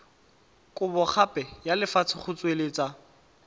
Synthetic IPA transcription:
kʼʊbɔχʰapʼɛjalɪfat͡sʰɪχʊt͡sʼwelɪt͡sʼa

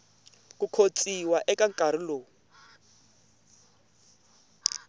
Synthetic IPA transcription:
kukʰot͡sʼiwaʔɛkaŋkʼaɾ̤iloː

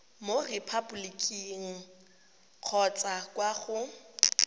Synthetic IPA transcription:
morɪpʰabulikʼiŋ̩ | q͡χʰɔt͡sʼakʼwaχʊ

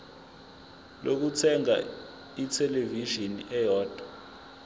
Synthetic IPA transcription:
lʔok̬ut͡sʰɛŋa̰ | itʰɛleviʒiniɛjɔːd̥ʱḁ

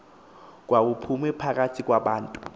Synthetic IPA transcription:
k̬wabupʰumɛpʰak̬ʼatʰik̬ʼwaɓaːntʼu

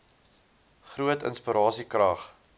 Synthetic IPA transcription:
χruətə̰nspəɾɑːsikrɐχ

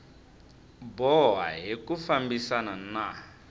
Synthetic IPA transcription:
bɔɦa̰ɦekufambisanana

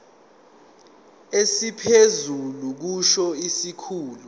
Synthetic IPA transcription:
esipʰezuluk̬uʃɔisikʰuːlu

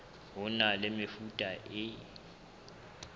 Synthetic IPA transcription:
ɦʊnalemɪfutʼaʔɪ

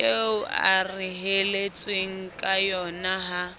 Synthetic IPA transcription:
eʊa̰riɦelet͡sʼweŋ̩kʼajɔnaɦa

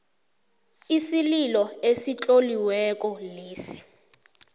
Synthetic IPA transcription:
isililɔesit͡ɬʼoliwɛk̬ʼɔleːsi̥

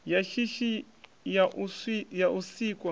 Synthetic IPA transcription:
jaʃiʃi | jaʔsijausiːkʼwa

